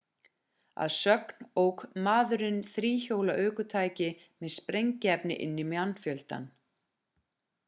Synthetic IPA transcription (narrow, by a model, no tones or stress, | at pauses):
a̰ðsœkn̥owkmaːðʏɾɪnθɾiːçoːwlaʔœːkʏt̪ʰaːjcɪ | mɛðspɾejɲcɪɛpnɪ̰ʔɪ̰nːɪmanːfjœlt̪a̰n